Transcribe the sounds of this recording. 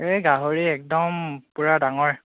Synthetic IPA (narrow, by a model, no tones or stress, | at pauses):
ejɡaɦoɹiɛk̚dɔmpuɹadaŋɔɹ